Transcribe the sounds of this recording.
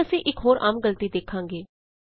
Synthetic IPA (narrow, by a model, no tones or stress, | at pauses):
əsĩːʔɪkɦoːɾʔa̰ːmɡəlt̪iːd̪eːkʰãːŋɡeː